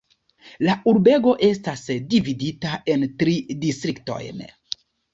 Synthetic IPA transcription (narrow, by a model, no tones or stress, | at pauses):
laʔuɾbe̞ɡo̞ʔe̞stasdividitaʔe̞ntɾidistɾikto̞̰jn